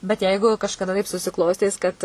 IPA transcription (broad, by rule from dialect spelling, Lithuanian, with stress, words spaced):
bʲɛt ˈjɛɪɡʊ kɐʃkɐˈdɐ tɐɪp sʊsʲɪˈklˠoːsʲtʲiːs kɐt